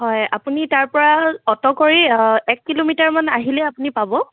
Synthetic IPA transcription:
ɦɔja̰punitaɹpɔɹaɔtɔkoɹiɛkːilomitaɹmanaɦilɛapunipabɔ

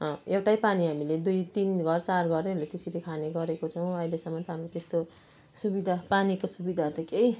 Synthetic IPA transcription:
ʌ̃ewʈajpaniɦamiled̪ujt̪inɡʱʌrt͡sarɡʌrelet̪esiɾekʰaneɡʌɾekot͡sʰʌw̃ʌjlesʌmːʌt̪ʌɦamrot̪est̪o | subid̪ʱapanikosubid̪ʱat̪ʌkej

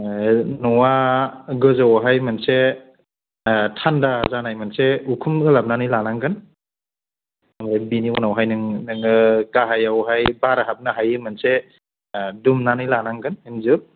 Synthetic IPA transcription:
nɔwaɡɯzawɦajmanse | tʰandazanajmanseukʰumɡɯlap̚nanɯjlanaŋɡɯn | amabiniɔnawɦajnɯŋnɯŋɯɡaɦajawɦajbaɾaɦap̚naɦajɯmɯnse | dumnanɯjlanaŋɡɯninzɯp̚

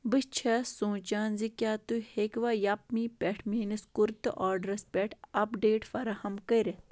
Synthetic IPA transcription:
bɨt͡ʃʰɐsũːt͡ʃaːnzikjaːt̪uhekʋaːjɐpmipʲɛʈʰmiːniskuɾt̪ɨʔaːɾɖɾɐspʲɛʈʰɐpɖeːʈfɐɾɐhɐmkɐɾe

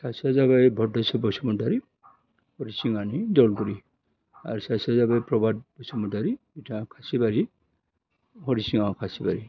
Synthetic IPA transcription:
sasiazaβajbʱɔdɔsɔbɔsɔmɔdaɾi | hɔɾisiŋanidɔlɡɔɾi | a̰ɾsasiazabajpɾɔbad̚bɔsɔmɔdaɾibitʰakʰasibaɾi | hɔɾisiŋakʰasibaɾi

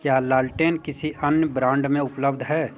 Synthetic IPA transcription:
kjaːlaːlʈeːnkɪsiʔɐnjəbɾãːɳɖmẽʊpləbd̪ʱɦɛː

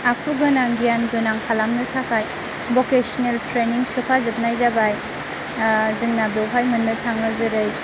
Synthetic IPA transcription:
apʰuɡɯnaŋɡijanɡɯnaŋkʰalamnɯtʰakʰaj | bokesɔneltʰɾeniŋsɯpʰazɯp̚najzabaj | zɯŋnabowpʰajmɯnːɯtʰaŋɯzɯɾɯj

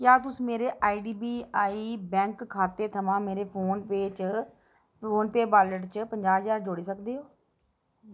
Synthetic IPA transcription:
kjaːt̪ʊsĩːmeːɾeːʔaːiɖiːbiːaːiːbɛ̃ːŋkʰːaːt̪eːt̪ʰəmãːmeːɾeːpʰoːnpeːt͡ʃ | poːnpeːbaːləʈt͡ʃəpəɲd͡ʒaːd͡ʒaːɾd͡ʒoːɽiːsəkd̪eːɦoː

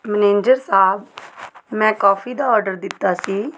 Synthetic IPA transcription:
məneːnd͡ʒəɾsaːb | mɛ̃ːkɔːpʰiːd̪aːɔːɾɖəɾd̪ɪt̪ːaːsiː

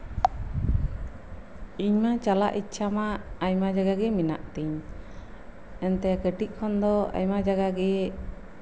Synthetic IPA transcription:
iɲmat͡ʃala̰ʔitːt͡ʃʰamaːjmad͡ʒaɡaɡɛmina̰ʔt̪iɲ | ɛnt̪ɛkəʈiʔ̚ˀkʰɔnd̪ɔa̰jmad͡ʒaɡaɡɛ

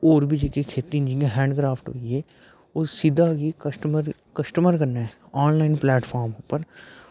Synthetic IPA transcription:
oːɾbʱid͡ʒekekʰeːt̪iɪ̃nd͡ʒiaɦɛ̃ːɳɖkɾaːfʰʈɦo̰ːie | oːsid̪ʱakikəsʈəməɾ | kɐsʈəməɾkɐɾnaɦɛ | ɔːnlaːɪnplɛːʈfʰaːɾmopəɾ

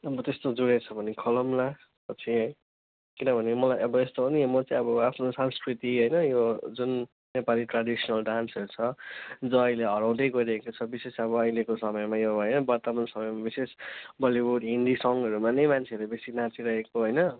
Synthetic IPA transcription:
ʌbʌt̪est̪od͡zuɽet͡sʰʌbʱʌnekʰʌlʌmla | pʌt͡sʰi | kinʌbʱʌnemʌlajʌbʌest̪obʌnimʌt͡sʌĩʌbʌapʰnosanskrit̪iɦʌjnʌjod͡zun | nepaliʈradisʌnʌlɖansʌɾut͡sʰʌd͡zʌːjleɦʌɾaw̃d̪ʌjɡʌɾiekot͡sʰʌbisesʌbʌːjlekosʌmʌjmajoɦʌjnʌbʌɾt̪ʌmansʌmʌjmabisesbʌlibuɖind̪isʌŋʌɾumanʌjmant͡sʰeʌɾebesinat͡siɾʌɦekoɦojnʌ

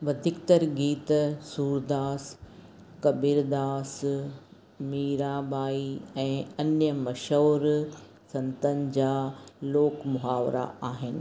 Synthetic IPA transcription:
bɐd̪ʱɪkt̪əɾɡiːt̪suːɾd̪aːs | kɐbiɾd̪aːs | miːɾaːbaːiɛ̃ːɐnjəmɐʃoːɾ | sɐ̃nt̪ənɪ̆d͡ʑaːloːkmʊɦaːʋɾa̰aːɦɪnɪ̆

